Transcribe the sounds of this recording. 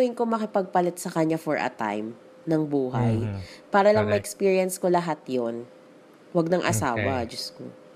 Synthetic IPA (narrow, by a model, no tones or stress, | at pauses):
ʊɪnkomɐkɪpɐɡ̚pɐlɛt̪̚sɐkɐɲːafɔɹʔɐ̰t̪a̰jm | nɐŋbuːɦajpaːɾɐlɐŋmɐʔɛkspiːɹijɐnskolɐɦat̪jon | wɐɡ̚nɐŋʔɐ̰saːwɐd͡ʒɐsko̰